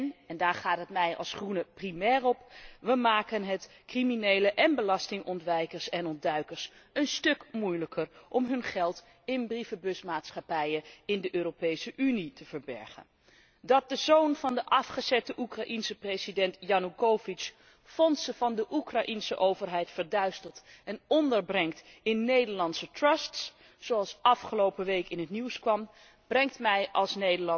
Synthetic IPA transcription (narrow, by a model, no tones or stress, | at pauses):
nɛndaːɹχaːtɦətmɛjɑ̰lˠsχrunəprimɛːrɔpʋəmaːkənɦət | kriminejləʔɛnbəlɑstɪŋʔɔntʋɛjkəɹsɛnɔndœɥkəɹsənstɵkmujləkʰərʔɔmɦɵnχɛlˠt | ɪnbrifəbɵsmaːtsχɑpɛjəɪndəʔøːropejsəʔynitəv̥əɹbɛ̰ɹχə̰n | dɑt̚dəzownvɑndəʔɑfχəzɛtəʔukrɑʔinsəprejzidɛntjɑnukowvis | fɔnsəvɑndəʔukrɑʔinsə̰ʔowvəɹɦɛjtfəɹdœɥstəlˠtɛnɔndəɹbrɛŋktɪnːejdəɹlɑntsətrəsts | sowɑlˠsɑfχəlowpəʋejkɪnɦətniwskʋɑm | b̥rɛŋk̚tmɛjʔɑ̰lˠsnejdəɹlɑ